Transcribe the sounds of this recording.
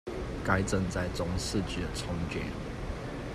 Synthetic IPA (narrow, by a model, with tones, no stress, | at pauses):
ka˥ɪt͡sə˥˧ŋt͡sa˥˨˩ɪt͡sʊ˥ŋsɹ̩˥˨t͡ɕy˥˩d̪ə˩t͡sʰʊ˥ŋt͡ɕɥɛ̰˨˦n